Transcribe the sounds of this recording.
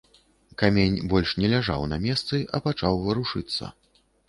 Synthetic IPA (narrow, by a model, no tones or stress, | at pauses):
kamʲenʲbɔlʲʂnʲɛlʲaʐa̰wnɐmʲɛst̪sɨʔɐpat͡ʂawvɐɾuʂɨt̪sːɐ̰